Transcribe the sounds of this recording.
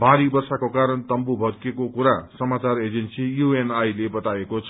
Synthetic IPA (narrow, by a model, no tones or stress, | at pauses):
baɾibʌrsakokaɾʌnt̪ʌmbubʱʌdkekokuɾasʌmat͡saɾed͡zensijuenajlebʌt̪aekot͡sʰ